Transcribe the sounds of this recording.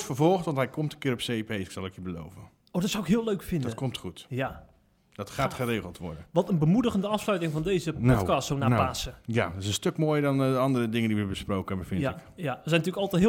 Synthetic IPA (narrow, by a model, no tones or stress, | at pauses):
fəɹvɔlˠxtʋɑntɦɛjkɔmtənkɪːɾɔpsejipejsɪ̥ksɑlˠɛkibəlo̰wvən | owdɔtsawɪkɦɪːlˠøɥkfɪndɔətkɔmtχutja | d̥ɔtχaːtχəreːɣəlˠtʋɔ̰ɹdənʋɑtənbəmudəɣəndəɑfslœɥtɪŋvɑndejzəpɔkɑstsownaːpaːsəjaɪsənstøkmoːjəɹdɔnəɑndərədɪŋəndiʋəbəsprowkənɛbəfɪnɪkjaʋəzɛjntyːlkɑlˠtɛtɦɪ